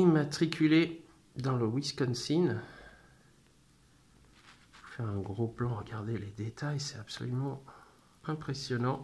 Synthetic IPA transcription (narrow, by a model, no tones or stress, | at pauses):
imat̪χikʲʰyle | d̪ɑ̃ləwiskɔnsin | fɛʁɛ̃ɡʁoplɑ̃ʁəɡʲaʁd̪eled̪et̪ʰajsɛt̪apsɔ̰lymɑ̃ | ɛ̃pχesjɔnɑ̃